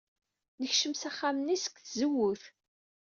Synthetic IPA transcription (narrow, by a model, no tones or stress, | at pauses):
nəçʃəmsæχːamənːisə̥kθzəwːʊθ